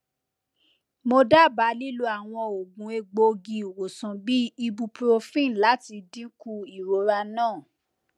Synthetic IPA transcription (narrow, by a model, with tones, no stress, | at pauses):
mo˧da˦˨ba˨˦li˦lu˧˦a˨w̃ɔ̃˧o˨ɡũ˨˦e˧ɡ͡bo˧ɡi˨wo˨sã˨bi˦i˧bu˧pɾo˧fĩ˦˨la˨˦ti˧dĩ˦ku˧i˨ɾo˨˦ɾa˧nãː˦˨